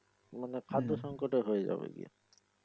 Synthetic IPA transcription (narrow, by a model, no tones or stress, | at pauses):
manekʰad̪ʱoʃɔŋkoʈeɦoed͡ʑa̰bḛɡḭa̰